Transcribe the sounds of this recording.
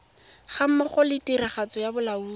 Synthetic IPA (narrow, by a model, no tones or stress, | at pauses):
χam̩maχɔlɪtiɾaχat͡sɔjabʊlauː